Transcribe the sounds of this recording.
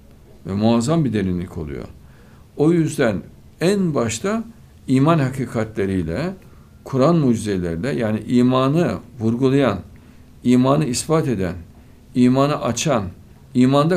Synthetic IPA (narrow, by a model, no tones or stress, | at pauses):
vɛmuazambid̪e̞ɾinlʲḭcʰo̞̰lˠṵjo̰ | ojyzd̪æn | ænbaʃt̪ʰa | iːmanhakʰiːkʰat̪lʲe̞ɾijlʲɛ | kʰuɾanmud͡ʒizelʲeɾid̪ʲɛjaːniʔiːmaːnɯvuɾɡulˠajan | iːmaːnɯisbat̪e̞d̪æn | iːmaːnɯʔat͡ʃʰan | iːmand̪a